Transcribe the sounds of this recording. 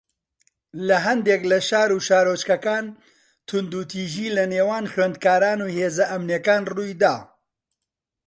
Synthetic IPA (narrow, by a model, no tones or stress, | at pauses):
lɐɦɐnd̪eklɐʃaːɾuːʃaːɾoːt͡ʃkɐkaːn | t̪ʰʊnd̪ut̪ʰiːʒiːlɐneːwaːnxweːnd̪̚kaːɾaːnuːheːzɐʔɐmnjekaːnruːjd̪aː